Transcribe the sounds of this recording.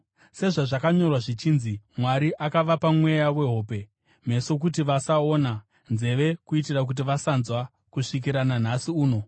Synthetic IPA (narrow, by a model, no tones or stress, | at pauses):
se̞ʐaʐakaɲo̞rwaʐit͡ʃiːnzimwaɾiʔakaʋapamwe̞jawe̞ɦo̞ːpe̞ | m̤e̞so̞k̬utiʋasaona | nze̞ʋe̞kuitirak̬ut̬iʋasanzwa | kuʂik̬iɾanan̤asiuːno̞